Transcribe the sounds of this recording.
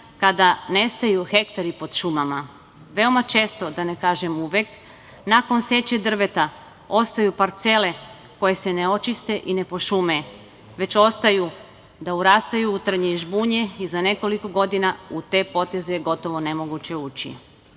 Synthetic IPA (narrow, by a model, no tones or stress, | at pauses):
kad̪ane̞st̪ajuxe̞k̚t̪aɾipo̞d̪ʃumama | ʋe̞o̞mat͡ʃe̞ːst̪o̞d̪anekaːʒe̞muʋek | nako̞nse̞t͡ɕed̪r̩ʋe̞t̪a | o̞st̪ajupaɾt̪se̞le̞ | ko̞je̞sene̞o̞t͡ʃist̪e̞ʔine̞po̞ʃume | ʋe̞t͡ɕo̞st̪aju | d̪auɾaːst̪ajuːt̪r̩ɲeiʒbuːɲeizane̞ko̞liko̞ɡo̞d̪inaut̪e̞ːpo̞t̪e̞zejeɡo̞t̪o̞ʋo̞ne̞mo̞ɡut͡ɕe̞uːt͡ɕḭ